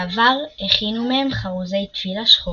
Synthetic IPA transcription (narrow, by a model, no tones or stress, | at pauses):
avaʁeχinumehemχaʁuze̞jt̪v̥ilaʃχo